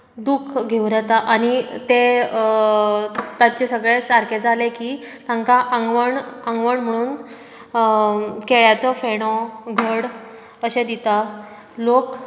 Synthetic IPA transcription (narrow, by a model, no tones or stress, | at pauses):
d̪ukʰɡʱeʋɾət̪aʔaɽ̃it̪e | t̪at͡ɕesəɡɭesaɾked͡zalekiːt̪ãŋkaʔaŋɡʋəɳaŋɡʋəɳm̤əɽ̃uːn | keɭjat͡sɔfeɽ̃ɔɡʱəɽ | əɕed̪it̪a | lok